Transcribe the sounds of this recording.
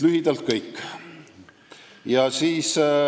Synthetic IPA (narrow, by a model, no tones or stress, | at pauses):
lyɦid̪̥ɑlt̪̚kɤjkː | jɑsiːs